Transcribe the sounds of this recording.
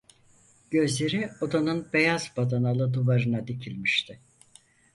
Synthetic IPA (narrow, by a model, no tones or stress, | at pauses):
ɟ̥ø̞zlʲe̞ɾio̞d̪anɯnbe̞jazbad̪analˠɯd̪uvaɾɯnad̪icʰilʲmiʃt̪ʰɪ